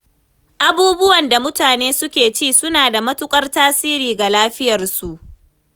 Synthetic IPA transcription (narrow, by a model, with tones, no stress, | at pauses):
ʔa˨buː˦bʊ˦wɐ˨nda˨mʊ˦taː˨neː˦sʊ˦kʲeː˨t͡ʃiː˦˨sʊ˦naː˨da˨mɐ˦tʊ˦kʷʼɐ˦rtaː˦siː˦ɾiː˨ɡa˨laː˦ɸɪ˦jɐ˨rsu˨ʔ